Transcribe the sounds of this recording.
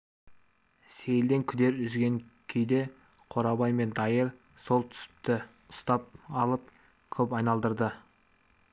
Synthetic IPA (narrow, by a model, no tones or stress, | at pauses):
sejld̪e̞ŋkʲʰʏd̪e̞ɾʏzɡʲe̞ŋkʲʰejd̪e̞ | qʰo̞ɾɑbɑjme̞nd̪ɑjəɾ | so̞lˠt̪ʰʏ̥sɪ̥p̚t̪ɪ | ʊst̪ɑp̚ɑlˠəp̚ | kʲʰɵpɑjnɑlˠd̪əɾd̪ə